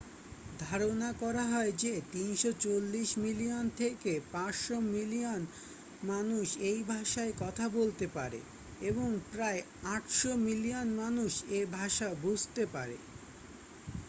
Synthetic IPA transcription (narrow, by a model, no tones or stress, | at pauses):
d̪ʱaɾonakɔɾaɦɔed͡ʑet̪inʃot͡ɕolːiʃmilijont̪ʰekepãʃʃomilion | manuʃejbʱaʃaekɔt̪ʰabolt̪epaɾḛ | eboŋpɾae | aʈʃomilionmanuʃebʱaʃabud͡ʑʱt̪epaɾḛ